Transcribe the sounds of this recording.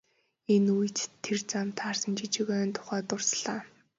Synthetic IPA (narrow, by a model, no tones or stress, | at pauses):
enujʰt̪t̪ʰːert͡sam̥t̪ʰaːrsə̆nt͡ɕit͡ɕɪ̆ɣœːnt̪ʰʊ̥χæːt̪ʊrsɮaː